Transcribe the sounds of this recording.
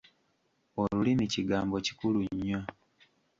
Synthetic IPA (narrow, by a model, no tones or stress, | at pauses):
olulimiciɡaːmbo̞ci̥kuluɲːa